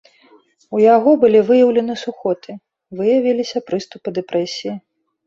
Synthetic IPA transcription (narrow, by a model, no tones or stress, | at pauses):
ujaɣɔbɨlʲivɨjɐwlʲɛnɨsuxɔt̪ɨ | vɨjɐvʲilʲisʲɐpɾɨst̪upɨd̪ɛpɾɛsʲiji